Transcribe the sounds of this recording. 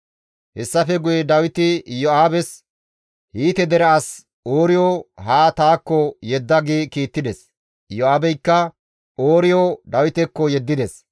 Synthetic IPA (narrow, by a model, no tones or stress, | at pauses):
hɛsːɐfɛɡʊjɛd̪ɐwɪt̪ɪjɔaːbɛs | hiːt̪ɛd̪ɛɾɐɐs | oːɾɪjoːɦaːt̪aːkːɔjɛd̪ːɐɡikiːt̪ːɪd̪ɛs | jɔaːbɛjkːɐ | oːɾɪjod̪ɐwɪt̪ɛkːɔjɛd̪ːɪd̪ɛs